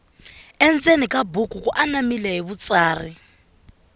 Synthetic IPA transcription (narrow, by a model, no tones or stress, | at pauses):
ɛnd͡zenikʼabukʼukʼuʔanamilɛɦiβut͡sʼaːri